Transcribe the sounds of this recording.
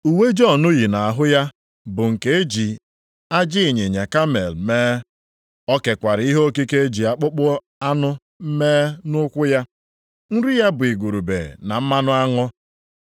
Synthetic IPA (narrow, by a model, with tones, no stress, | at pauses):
u˨we˦d͡ʒɔ˦˨nʊ˦ɣi˨na˨a˨ɦʊ˦ja˦ | bʊ˨ŋ̩˨ke˨e˦d͡ʒi˨ | a˦d͡ʒɪ˦e˨ɲe˨ɲa˨ka˦me˨lmeː˦ | ɔ˦ke˨kʷa˨ɾɪ˨i˦ɦo˦ki˦ke˦e˦d͡ʒi˨a˨k͡pʊ˦k͡pʊ˦ | a˦nʊ˦ | m̩˦meː˦nʊ˦kʷʊ˦ja˦ | n̩˦ɾi˦ja˦bʊ˨i˨ɡʷu˨ɾu˨bḛ˨na˨m̩˦ma˦nʊ˦a˦ŋɔ˦